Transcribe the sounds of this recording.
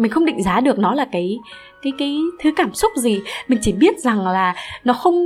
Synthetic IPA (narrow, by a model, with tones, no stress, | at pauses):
mi̟˨˩xə˧wŋ͡mɗḭ˧˨ŋ̟zaː˨˦ɗɨ˨˩ək̚nɔ˨˦laː˨˩kaː˨˦j | kaː˨˦jkaː˨˦jt̪ʰɨ˨˦kaː˧˩msʊ˦˥k͡p̚zi˨˩mï˨˩ŋ̟t͡ɕi˧˩ɓi˦˥ət̚za˨˩ŋlaː˨˩nɔ˨˦xə˧wŋ͡m